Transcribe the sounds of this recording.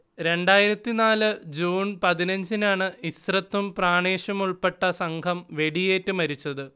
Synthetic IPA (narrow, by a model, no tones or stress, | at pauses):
ɾe̞ɳɖaːjiɾɐt̪ːinaːlɨd͡ʑuːnpɐðinɐɲd͡ʑinaːɳɨist̪rɐt̪ːumpraːɳeːʂɐmuɭpe̞ʈːɐsɐŋkʰɐmʋe̞ɽije̞ːtːɨmɐɾit͡ɕːɐðɨ